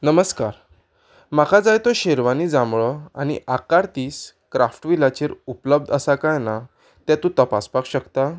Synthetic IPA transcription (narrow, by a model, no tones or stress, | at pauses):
nəməskaɾ | makʰad͡zajt̪oɕeɾʋanid͡zãmɭəañḭʔakaɾt̪iːs | kɾafʈʋilat͡ɕeɾupləb̚d̪əsakajna | t̪jãt̪ũt̪əpa̰spakɕəkt̪a